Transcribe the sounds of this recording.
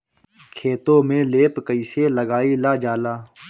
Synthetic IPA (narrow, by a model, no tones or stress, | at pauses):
kʰeːt̪õːmẽːleːpkəiːseːləɡaːiːlaːd͡ʒaːlaː